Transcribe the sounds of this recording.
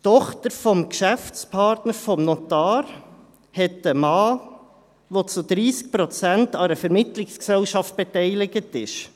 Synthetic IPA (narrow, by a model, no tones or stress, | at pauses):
tɔχtəɾfɔmkʃæft͡spʰɑɾtnəɾfɔmnotɑːɾ | hɛtəmɑː | ʋot͡sud̪ɾiːsk̚pɾot͡sæntɑɾəfɛɾmɪtlɪksksɛlʃɑft̚b̥ɛtɛɪlɪɡətɪʃ